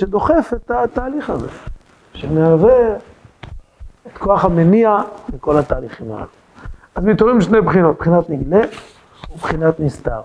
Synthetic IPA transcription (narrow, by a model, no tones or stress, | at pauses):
ed̪o̞χe̞fet̪at̪aːliχazḛ | ʃemeave | et̪ko̞aχhameniamiko̞lat̪aːliχima̰a̰lu | azmit̪oʁimʃnejbχino̞t̪̚bχinat̪niɡle | ubχinat̪nist̪a̰ʁ